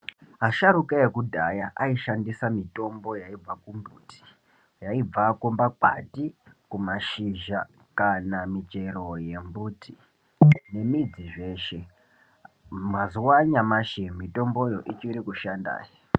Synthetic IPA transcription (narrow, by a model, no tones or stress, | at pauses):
ɦaʃaɾukaekudʱajaʔaiʃandisamito̞mbo̞jaib͡vakumbuːti̥ | jaib͡vakumbakwa̰tikumaʃiʒa | kanamid͡ʒero̞je̞mbuːtʰi | ne̞mid͡ziʐe̞ːʃe̞ | mazuwaɲamaʃemito̞mbo̞jo̞ʔit͡ʃiɾikuʃanda̰ːjo